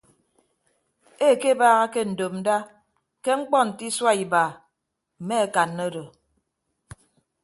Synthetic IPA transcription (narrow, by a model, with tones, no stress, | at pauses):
e˦˨ke˦baː˦ɣa˦ke˦n̩˨do˨m̚n̩˦da˦ | ke˦ŋ͡m̩˦k͡pɔ˦n̩˨ti˦swa˦i˨baː˨ | m̩˨me˦e˦ka˨nːo˦do˨